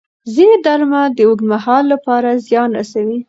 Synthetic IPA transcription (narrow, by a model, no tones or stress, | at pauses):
zined̪aɾmad̪əoɡ̪mahɑlːapɑɾazjɑnɾa̰sawi